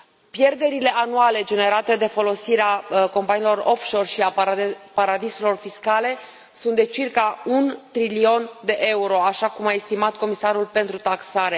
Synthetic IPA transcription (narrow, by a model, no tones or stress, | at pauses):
pje̞rd̪e̞ɾile̞ʔanuale̞d͡ʒe̞ne̞ɾat̪e̞d̪e̞fo̞lo̞siɾeako̞mpanilo̞ro̞fʃo̞rʃiapaɾad̪ise̞lo̞rfiskale̞ | sunt̪d̪et͡ʃirkaunt̪ɾilio̞nd̪e̞ʔe̞uɾo̞aʃakumae̞st̪imat̪̚ko̞misaɾulpe̞nt̪ɾut̪aksaɾe̞